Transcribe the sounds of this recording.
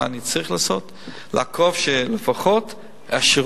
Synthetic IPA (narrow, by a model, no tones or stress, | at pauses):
nit͡saʁiχlaːso̞t | l̰akʰovʃelefaχo̞t | aʃeʁ